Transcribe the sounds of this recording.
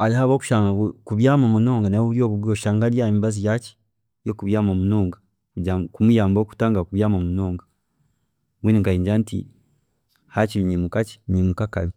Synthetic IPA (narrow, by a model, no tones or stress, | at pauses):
alihaβoːku̥ʃaːŋɡakuβjaːmamunoːŋɡanauɾjoːβuβwjoʃaːŋɡalijamiβazijat͡ʃi̥ | jokuβjaːmamunoːŋɡa | kuɟakumujaːmboːku̥taːŋɡakuβjaːmamunoːŋɡa | βwiniŋkaiːɲd͡ʒantḭ | hat͡ʃiɲimukat͡ʃi̥nimukaka̰mi